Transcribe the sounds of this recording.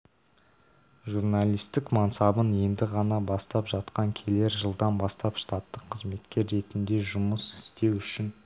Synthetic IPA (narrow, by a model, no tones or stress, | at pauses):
ʒurnalʲijst̪ɪkmɑnsɑbənje̞nd̪ɪʁɑnɑbɑst̪ɑpʒɑt̪qɑŋkʲʰe̞le̞ɾʒəlˠd̪ɑnbɑst̪ɑpʃt̪ɑt̪ːəqʰːəzme̞t̪kʲe̞ɾːe̞t̪ɪnd̪e̞ʒʊməsɪ̥st̪e̞wʏʃɪn